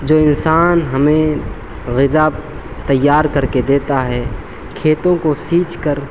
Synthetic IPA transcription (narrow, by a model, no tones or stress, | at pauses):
d͡ʒoːɪnsaːnɦɐmẽ | ɣɪzab | t̪ɐjːaːɾkɐɾked̪eːt̪aɦɛː | kʰeːt̪õkosiːt͡ʃkəɾ